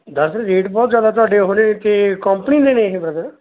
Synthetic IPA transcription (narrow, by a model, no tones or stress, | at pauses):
d̪əɾsɾiːʈbɔːt̪zjaːd̪aːt̪̬ʊaːɖeːɦoːnẽt̪eːkɔmpəninẽːnẽɦẽbɾət̪ə